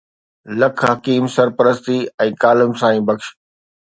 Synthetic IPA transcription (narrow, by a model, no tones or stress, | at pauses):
lɐkʰɦɐkiːmsɐɾpəɾəst̪iɛ̃ːkaːləmsãːĩːbɐkʃ